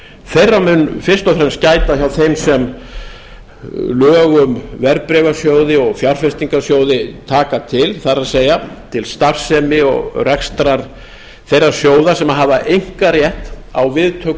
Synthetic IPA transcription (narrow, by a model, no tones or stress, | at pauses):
θejrːamʏnfɪr̥st̪ɔfɾɛmscaːjt̪açawθejmsɛm | lœːɣʏmvɛɾpɾɛvasjoːwðɪɔɣfjar̥fɛst̪iŋkasjoːwðɪt̪ʰaːkat̪ʰɪlθaɾaðseːjat̪ʰɪlst̪afsɛmɪɔ̰ɣrɛkst̪ɾaɾ | θejrːasjoːwðḁsɛmaɦaːvaʔejŋ̥kaɾjɛht̪awvɪðt̪ʰœk